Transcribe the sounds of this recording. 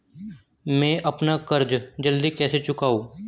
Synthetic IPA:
mɛ̃ːʔəpnakəɾd͡ʒd͡ʒəld̪ikɛːset͡ʃʊkaːoː

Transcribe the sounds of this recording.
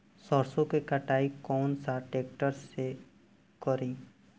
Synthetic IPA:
sɔɾsõkekəʈaːikɔːnsaʈeːkʈəɾse | kɔɾĩː

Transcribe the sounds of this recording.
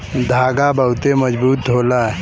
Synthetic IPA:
d̪ʱaɡabəwt̪eməd͡ʒbuːt̪ɦola

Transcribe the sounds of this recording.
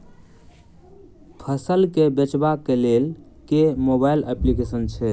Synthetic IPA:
kʰəsəlkebet͡ʃbakelel | kemobailəplikesənt͡ʃʰɛ

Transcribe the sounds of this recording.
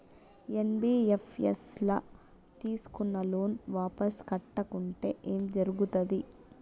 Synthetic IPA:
enbiːefʰḛslɐ | t̪iːsu̥kunːɐlo̞ːnʋaːpɐskɐʈːɐkuɳʈe̞ːʔeːmd͡ʒɐɾuɡut̪ɐd̪i

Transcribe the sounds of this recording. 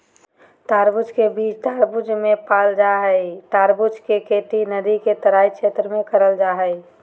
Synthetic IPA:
t̪aːɾbʊd͡ʒkebiːt͡ʃʈ̪aɾbʊd͡ʒmẽpaːld͡ʒaɦəjʈ̪aːɾbʊd͡ʒkekeʈinəd̪iket̪əɾaːikt͡ʃʰet̪ɾəmẽkəɾəld͡ʒaːɦə

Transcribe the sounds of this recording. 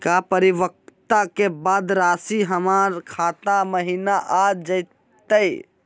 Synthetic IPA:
kapəɾiʋək̚t̪akebad̪ɾasiɦəmaɾkʰat̪aməɦinaʔad͡ʒəj | t̪əj

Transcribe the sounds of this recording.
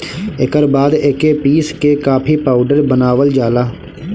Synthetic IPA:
ɪkəɾbaːd̪ɪkeːpiːskeːkaːpʰiːpaːʊɖəɾbənaːʋəld͡ʒaːlaː

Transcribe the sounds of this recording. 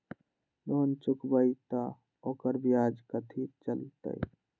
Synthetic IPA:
lont͡ʃʊkbəjt̪a | oːkəɾbijaːd͡ʒkət̪ʰit͡ʃəlt̪ə̰j

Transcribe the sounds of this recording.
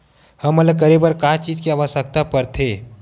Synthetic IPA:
həmːələkəɾebəɾkaːt͡ʃiːd͡ʒkiaːʋəʃəkt̪apəɾt̪ʰeː

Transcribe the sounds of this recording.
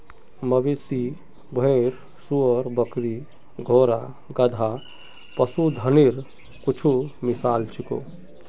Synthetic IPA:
məbesi | bʱeɾ | suəɾbəkɾi | ɡʱoːɾa | ɡəd̪ʱa | pəsud̪ʱəniɾ | kut͡ʃʰumisaːlt͡ʃʰiko̰

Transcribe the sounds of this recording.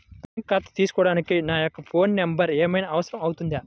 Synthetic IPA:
pɐŋkaːt̪t̪iːsɯ̥kɔːɽaːnɯkːɯnaːjɔkːɐfoːnnɛmbɐɾeːmɐjnɐɐʋɐsɐɾɐmɐɣɯt̪und̪aː

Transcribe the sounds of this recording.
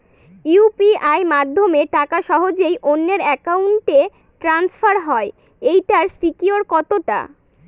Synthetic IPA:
upiajmad̪ʱːomeʈakaʃɔɦod͡ʑejʔonːeɾɛkauɳʈe | ʈɾansfaɾɦɔe | ejʈaɾsikioɾkɔt̪oʈa̰

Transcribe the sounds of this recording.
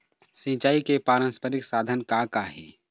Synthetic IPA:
sĩːt͡ʃaːikepaːɾə̃nspəɾɪksaːd̪ʱənkakaɦɛ̰ː

